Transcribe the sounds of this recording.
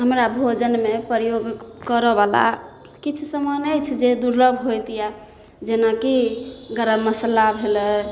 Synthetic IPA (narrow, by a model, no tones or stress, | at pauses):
ɦəmɾabʱod͡ʒənmepəɾjoɡkəɾəbala̰ | kit͡ʃʰusəmənəjt͡ʃʰd͡ʒed̪uɾləbʱɦojt̪ija | d͡ʒenakiɡəɾəːəslabʱelə